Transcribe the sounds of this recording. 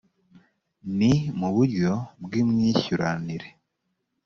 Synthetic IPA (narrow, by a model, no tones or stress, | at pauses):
nimuβuɾɟo̞bɡiːmŋiːçuɾaniɾe̞